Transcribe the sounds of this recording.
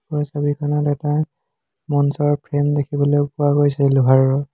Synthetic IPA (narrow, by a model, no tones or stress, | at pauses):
pɔsɔbikʰɔnɔtɛta | mɔnsɔɹpʰɹemdekʰibɔlojpʊaɡojsɛluɦaɹɹɔ